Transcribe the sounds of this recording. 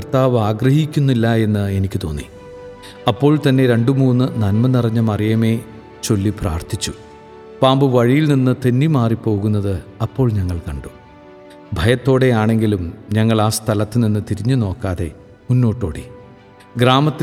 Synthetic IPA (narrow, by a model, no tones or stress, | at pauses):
ɐrt̪aːʋaːɡrɐhikʲːunːilːɐe̞nːɨe̞nikʲːɨt̪o̞ːnːi | ɐpːo̞ːɭt̪ɐnːe̞ɾe̞ɳɖumuːnːɨnɐnmɐnːirɐɲːɐmɐrijɐme̞ː | t͡ɕo̞lːipra̰ːrt̪ʰit͡ɕːu̥ | paːmbɨʋɐɻijilninːɨt̪enːimaːripːo̞ːɣunːɐðɨɐpːo̞ːɭɲɐŋːɐɭkɐɳɖu | bʱɐjɐt̪ːo̞ːɽe̞jaːɳe̞ŋɡilumɲɐŋːɐɭaːst̪ʰɐlɐt̪ːɨninːɨt̪iɾiɲːuno̞ːkːaːðe̞̰ | munːo̞ːʈːo̞ːɽi | ɡɾaːmɐt̪ː